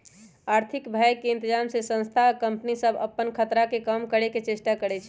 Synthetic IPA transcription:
aɾt̪ʰikbʱajkːeint̪id͡ʒamsesə̃nst̪ʰakəmpənisəbʱə̰pːənkʰət̪ɾakekəmkəɽeket͡ʃesʈakəɾɛt͡ʃʰ

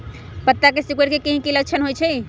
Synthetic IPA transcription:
pət̪ːakesikweʈkekiɦĩkilət͡ʃʰənɦojt͡ʃʰɛ

